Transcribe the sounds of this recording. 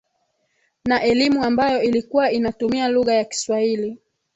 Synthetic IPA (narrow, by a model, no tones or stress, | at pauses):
naʔɛlimuambajɔilikuwainatumialuɣajaki̥swahili